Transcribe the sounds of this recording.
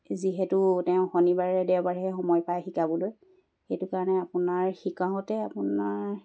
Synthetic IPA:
ziɦɛtʊtɛʊ̃xɔnibaɹɛdɛwbaɹiɦɛxɔmɔjpajxikabɔloj | xejtʊkaɹɔnɛapʊnaɹxikaɦɔtɛapʊnaɹ

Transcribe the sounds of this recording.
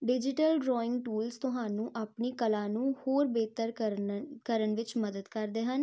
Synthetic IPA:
ɖɪd͡ʒɪʈəlɖɾɔːɪ̃ŋɡ̚ʈuːlst̪ʊɦãːnũːʔaːpniːkəlãːnũːhoːɾbeːt̪əɾ | kəɾəɳʋɪt͡ʃməd̪əd̪kəɾd̪eːɦən

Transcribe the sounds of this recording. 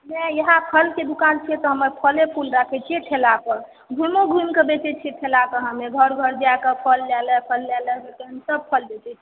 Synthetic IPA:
nɛjəɦãpʰəlked̪ukant͡ʃʰiɛt̪ɔɦəməɾpʰəlepʰulɾakʰɛt͡ʃʰieʈʰelakəɾ | ɡʱumoɡʱumkəbet͡ʃɛt͡ʃʰiʈʰelakəɦəmeɡʱəɾɡʱəɾd͡ʒakəpʰəlːɛlɛ̃pʰəlːɛləɦet̪eɦəmsəb̚pʰəlb̪et͡ʃɛt͡ʃʰi

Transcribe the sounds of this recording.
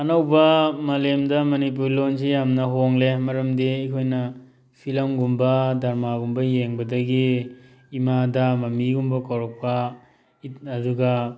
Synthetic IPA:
ɐnawbɐmɐlemdɐmɐnip̬uɾlonsijamnɐɦoŋlemɐɾɐmdiːkʰojnɐ | pʰilɐmɡumbɐdɐɾmaɡumbɐjeŋbɐdɐɡiː | madɐmɐmiɡumbɐkawɾɔk̚pɐ | it̚ɐduɡɐ

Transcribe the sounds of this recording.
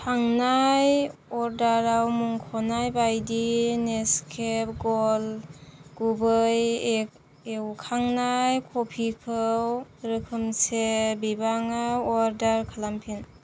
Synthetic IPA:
kʰaŋnajɔɾdaɾawmuŋkʰɔnajbajdineskʰep̚ɡɔlɡ̥ubɯj | ewkʰaŋnajkʰopʰikʰɯwɾɯkʰɯmsebibaŋaɔɾdaɾkʰalampʰin

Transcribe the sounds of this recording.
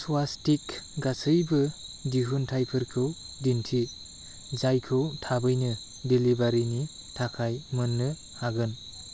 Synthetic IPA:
suwastikɡasɯjbɯdiɦuntʰajpʰɯɾkʰɯw | dintʰi | zajkʰɯwtʰabɯjnɯ | delibaɾini | tʰakʰajmɯnːɯ | haɡɯn

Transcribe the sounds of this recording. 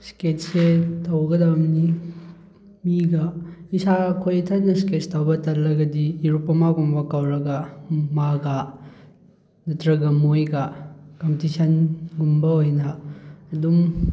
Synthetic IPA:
sket̚setʰɐwɡɐdɐbmni | miɡɐisakʰojɐtʰɐnɐsket͡ʃtʰɐwbɐtɐɾlɐɡɐdiiɾupːɐmaɡumbɐkɐwɾɐɡɐmaɡɐ | nɐtɾɐɡɐmojɡɐkɐmpitisɐnɡumbɐɦojnɐːdum

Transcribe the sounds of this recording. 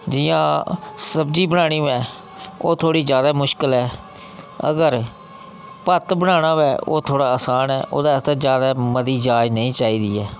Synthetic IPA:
d͡ʒɪːãːsəbd͡ʒiːbəñaːɽ̃iːʋɛː | o̰ːt̪ʰoːɽiːzjaːd̪aːmʊʃkəlɛː | ə̰ɡəɾ | pət̪bəɽ̃aːɽ̃ãːʋɛːʔoːt̪ʰoːɽaːəsaːnɛːʔo̰ːd̪aːst̪aːd͡ʒjaːd̪aːməd̪iːd͡ʒaːd͡ʒnəĩːt͡ʃaːiːd̪iːɛː

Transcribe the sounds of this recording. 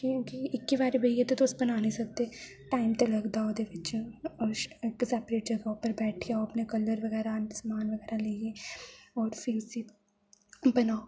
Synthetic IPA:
kiũːkiɪkːibaːɾebʱɐiet̪ot̪oːsbɐnaːnisɐk̚t̪e | ʈaːɪmt̪elɐɡd̪aːod̪eʋɪt͡ʃʃekɪsɛːpɾeːʈ̚d͡ʒɐɡaopɐɾbɛːʈʰiaoɐpnekɐləɾʋɐɣɛːɾandsmaːnʋɐɡɛːɾaleːeːɔːɾfʰɪʊsi | bɐnaːo

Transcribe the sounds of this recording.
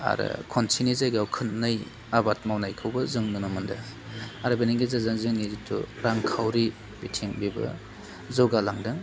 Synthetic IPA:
a̰ɾɯ̰kʰɔnsʰinizajɡawkʰɯnnɯj | abat̚mawnajkʰɯwbɐzɯŋnɯnɔmɯnda̰aɾɯbeniŋɡizazɯŋzɯŋnizitʰṵɾaŋkʰawɾi | b̥itʰiŋbibɐ̰ | zɔɡalaŋdɯŋ

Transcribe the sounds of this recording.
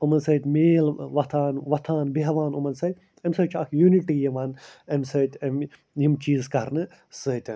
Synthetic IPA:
umɐnsəːt̪ʲmeːlʋɐt̪ʰaːnʋɐt̪ʰaːnbiɦɐʋaːnumɐnsɐt̪ʲ | ɐmsəːt͡ʃʰɐkʰjuniʈijɐʋaːnɐmsəːt̪ʲɐm | jimt͡ʃiːzkɐɾnɨ | sɨːt̪ʲɐn

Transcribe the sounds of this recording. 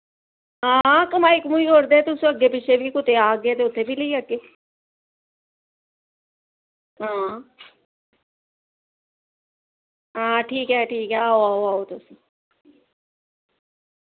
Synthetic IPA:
ɦãːkəmaːɪkmũikoɾd̪et̪ʊsũəɡːeːpɪʃʰebʱiːkʊt̪eaːɡeːt̪eʊt̪ʰːebʱiːləiəɡeː | ɦãː | ɦãːʈʰiːkɛːʈʰiːkɦɛaːoaːoaːɦot̪ʊsĩ

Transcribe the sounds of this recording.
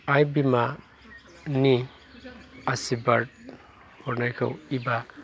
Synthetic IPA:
ajbima | ni | asibaɾd̚ | pʰɔɾnajkʰa̰wiba

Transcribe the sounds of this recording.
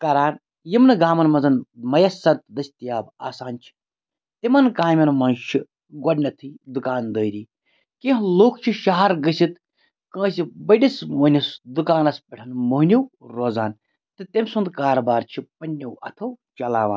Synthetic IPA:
kɐɾaːn | jimnɨɡaːmɐnmɐnzɐnmɐjɐsɐt̪d̪ɐsʲt̪ijaːba̰ːsaːnt͡ʃʰi̥ | t̪imɐnkãːmʲɐnmɐnt͡ʃʰi | ɡoɖnʲɐt̪ʰɨd̪ukaːnd̪əːɾiː | kẽɦloːkʰt͡ʃʰiʃaɦɐɾɡɨsit̪ | kə̃ːsibɐɖismoːnʲisd̪ukaːnɐspʲɐʈʰɐnmoːɦnʲiwɾoːzaːn | t̪ɨt̪ɐmʲsund̪kaːɾɐbaːɾt͡ʃʰipɐnʲːewɐ̰t̪ʰɐwt͡ʃɐlaːʋaːn

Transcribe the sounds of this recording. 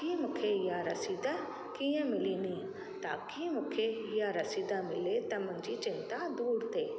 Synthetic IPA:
kimũkʰeɪjaɾɐsiːd̪a | kijə̃mɪlinĩ | t̪a̰ːkimũːkʰeɪjaɾɐsiːd̪amɪlet̪ɐmə̃ɲd͡ʑit͡ɕɪnt̪ad̪uːɽt̪ʰeː

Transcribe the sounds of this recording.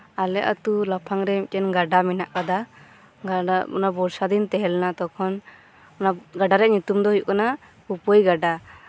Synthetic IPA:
alɛʔat̪ulapʰaŋɾɛmkɛnɡaɖamɛnaʔkad̪a | ɡaɔ̰nabɔɾsad̪int̪ɛɦɛlnat̪ɔkʰɔn | naɡaɖaɾɛʔɲut̪umd̪ɔɦujkana | upəjɡaɖa

